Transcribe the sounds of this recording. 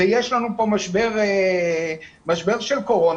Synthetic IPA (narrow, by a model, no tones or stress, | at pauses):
ejeʃlanupo̞maʃbeʁe | maʃbe̞ʁʃelko̞ʁo̞n